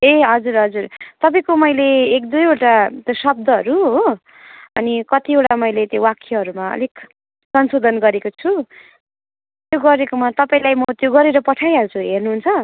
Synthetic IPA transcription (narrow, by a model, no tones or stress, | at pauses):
eɦʌd͡zuɾɦʌd͡zurt̪ʌpaĩkomʌjleːk̚d̪ujoʈat̪josʌb̚d̪ʌɦʌɾuɦo | ʌ̰nikʌt̪ioʈamʌjlet̪jowakʰːeɦʌɾumaʌ̰lik | sʌnsod̪ʱʌnɡʌɾekot͡sʰu | t̪joɡʌɾekomat̪ʌpaĩlajmʌt̪joɡʌɾeɾʌpʌʈʰajʌɾt͡sʰuɦernuɦunt͡sʰʌ